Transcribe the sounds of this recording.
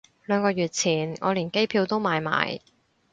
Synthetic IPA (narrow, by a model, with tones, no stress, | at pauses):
lœː˨˧ŋkɔː˧jɥyː˨t̚t͡sʰiː˨˩nŋɔ̰ː˨˧liː˨˩nke˥jpʰiː˧wt̪o˥wmaː˨˧jma̰ː˨˩j